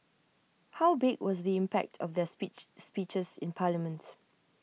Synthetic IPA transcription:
hawbɪɡwɔsðiɪ̃mpɛ̰k̚tʰɔfdɛit͡ʃspit͡ʃəsɪ̰̃npʰaləmə̃nt

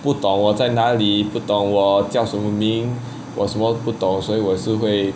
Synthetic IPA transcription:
put̪ʊŋwɔt͡saɪnaliput̪ʊŋwɔt͡ɕjɑʊʂənməmiŋ | wɔʂənməput̪ʊŋswɔiwɔʂɻ̩xweɪ

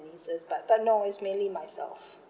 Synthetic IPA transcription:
nisəsbat̚b̥at̚noʊɪtsmẽnlimajsɛ̰lf

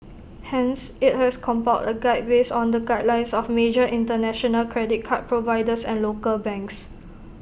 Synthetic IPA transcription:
hɛ̃nsit̚hɛskʰɔ̃mpaʊtəɡaɪd̚besɔ̃ndəɡaɪd̚lãɪ̃nsɔfmed͡ʒəʔĩntənɛʃɔnəlkʰɹɛdit̚kʰat̚pʰɹovaɪdəsɛ̃nlokəlbɛ̃ŋks

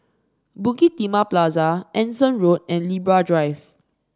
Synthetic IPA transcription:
bũkit̪imaplazaʔɛ̃nsə̃nɹot̚ɛ̃nlibɹadɹajv

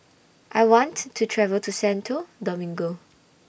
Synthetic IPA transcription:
ʔajwɔ̃ntʰːutʰɹɛvəltʰusɛ̃ntʰudɔmĩŋɡo

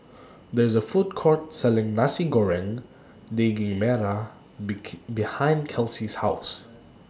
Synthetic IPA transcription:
d̪ɛɹzəfut̚kʰɔɹtsɛlɪ̃ŋnasiɡɔɹɛ̃n | deɡɪ̃ŋmɛɹa | bihãɪ̃ndkʰɛlsishaʊs

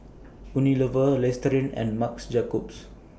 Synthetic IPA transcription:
uniləvəlɛstɾĩnɛ̰̃nmaksd͡ʒakɔps

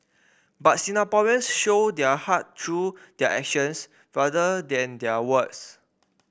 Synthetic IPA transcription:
bat̚sĩnapɔə̃nsʃodɛəhattʰːɹud̥ɛəʔɛkʃə̃ns | ɹadədɛ̃ndɛəwəts

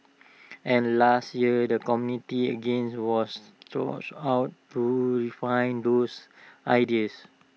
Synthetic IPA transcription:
ʔɛ̃nlastjiədəkɔmjunitiə̰ɡẽnswɔstɔ̰tawtːuɹifãj̃ndosʔajdiəs

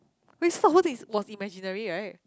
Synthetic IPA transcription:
wɛsfɔɔtiswɔsimɛd͡ʒinəɹiɹaɪt̚

